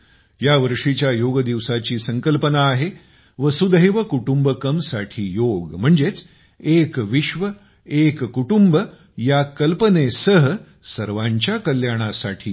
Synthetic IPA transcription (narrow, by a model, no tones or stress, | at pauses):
jaʋəɾʂit͡ɕjajoɡəd̪iʋsat͡ɕiːsəŋkəlpənaːɦe | ʋəsud̪əjʋəkuʈumbəkəmsaʈʰiːjoɡm̤əɳd͡zet͡s | ekʋiɕʋə | ekkuʈumbə | jakəlpənesəɦə | səɾʋaɲt͡ɕjakəljaɽ̃asa̰ʈʰḭː